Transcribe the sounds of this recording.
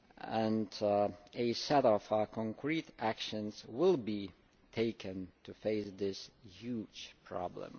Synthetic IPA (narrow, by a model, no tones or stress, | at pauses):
ə̃n | ɨsɛɾɔfəkʰə̃ŋkʰɹ̥iɾækʃɨ̃nzwɪlˠbi | tʰeɪkɨ̃ntʰɨfeɪsðɪshjud̥ʒ̥pʰɹ̥ɑ̰blə̰̃m